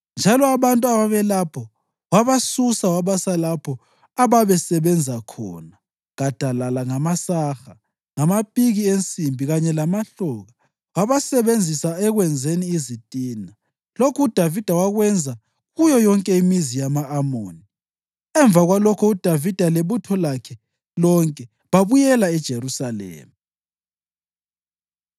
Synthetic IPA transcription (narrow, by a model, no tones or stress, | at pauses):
nd͡ʒʱalɔaβantʼuaβaβɛlapʰɔ | waβasusawaβasalapʰɔ | aβaβɛsɛβɛnd͡zʱakʰɔ̰ːna | ɣad̥ʱalalaŋamasaxa | ŋamapʼiɣient͡sʼimbʱiɣaɲɛlamaɬɔɣa | waβasɛβend͡zʱisaɛɣwɛnd͡zʱeniizitʼiːna | lokʰuud̥ʱavid̥ʱawaɣwɛnd͡zʱa | ɣujɔjɔŋkʼɛimizijamaːmo̰ːni | ɛɱbvʱaɣwalɔkʰɔud̥ʱavid̥ʱaleβutʰɔlakʰɛ | lɔŋkʼɛ | βaβujɛlaɛd̥ʒ̥ʱeɾusalɛ̰ːmi